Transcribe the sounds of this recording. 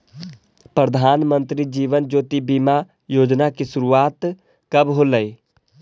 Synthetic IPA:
pɾəd̪ʱaːnmə̃nt̪ɾiːd͡ʒiːʋənd͡ʒoːt̪ibima | joːd͡ʒnakisʊɾuaːt̪ | kəbɦoːləiː

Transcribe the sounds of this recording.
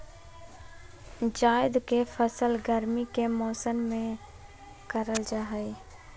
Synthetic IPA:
d͡ʒaːɪd̪kefʰəsəlɡəɾmikemɔːsənmẽ | kəɾəld͡ʒaːɦəi

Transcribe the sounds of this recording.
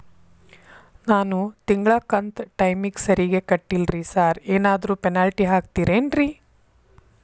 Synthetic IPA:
naːnut̪iŋɡɭakɐnt̪ʈɐjmiksɐɾiɡe̞kɐʈːilɾisaːɾeːnaːd̪ɐɾuːpenaːlʈiɦaːk̚t̪iːɾeːnɾi

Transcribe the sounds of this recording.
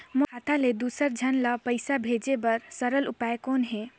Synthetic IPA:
moat̪ʰaled̪usəɾd͡ʒʱənləpəɪsabʱed͡ʒebəɾsəɾəlupaekoːnɦɛ̃

